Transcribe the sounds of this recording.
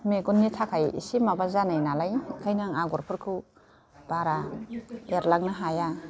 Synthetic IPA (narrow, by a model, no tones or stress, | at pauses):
meɡunːitʰakʰajḭsimabazanajnalajkʰajnaŋaɡɔɾpʰɯɾkʰɯ | baɾa | eɾlaɡ̚naɦaja